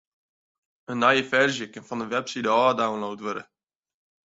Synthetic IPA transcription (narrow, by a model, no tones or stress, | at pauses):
ənːajəfɛrʒjəkɪnfɔndəʋɛpsidəɔːdawnlowtʋøɾə